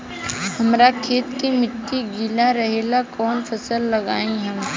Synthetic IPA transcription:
hɐmɾakʰeːt̪kimɪʈːiɡiːlaɾɐɦeːlakɔːnfʰɐsəlːɐɡaːĩɦɐm

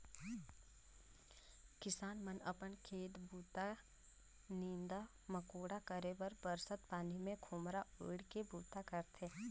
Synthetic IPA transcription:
kɪsaːnmənəpənkʰeːt̪buːt̪a | nĩːnd̪a | məkoːɽakəɾebəɾbəɾsət̪paːnimẽkʰoːmɾaeːɽkebuːt̪akəɾt̪ʰeː

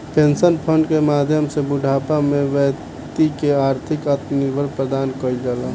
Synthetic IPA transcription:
pẽnsənpʰəɳɖkemaːd̪ʱjəmsebʊɖʱaːpamẽʋə | t̪ikeaːɾt̪ʰɪkat̪nɪɾbʱəɾpɾəd̪aːnkəid̪əla

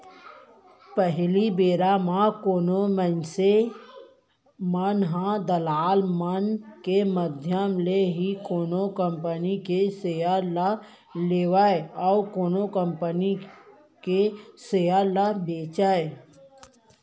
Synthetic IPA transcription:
pəɦlibeːɾamãkoːnomənse | mənɦãd̪əlaːlmənkeməd̪ʱjəmleɦikoːnokəmpənikesejala | leːʋaeɔːkoːnokəmpəni | kesejalabeːt͡ʃae

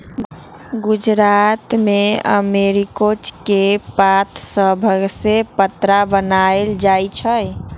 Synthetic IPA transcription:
ɡud͡ʒɾat̪meə̰meɾikot͡ʃkepat̪səbʱəɡsepət̪ɾabənaeld͡ʒajt͡ʃʰəj

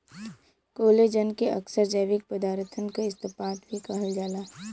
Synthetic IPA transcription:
koːled͡ʒənkeʔɐksəɾd͡ʒəjʋɪk̚pəd̪aːɾt̪ʰənkaɪst̪əpaːt̪bʱikɐɦəld͡ʒaːlaː

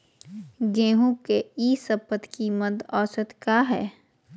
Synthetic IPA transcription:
ɡẽːɦũkeiːsəpət̪ʰkiməd̪ɔːsət̪kaɦɛː

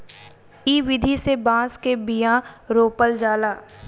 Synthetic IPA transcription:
iːʋɪd̪ʱisebãːskebijãɾoːpəld͡ʒaːlaː

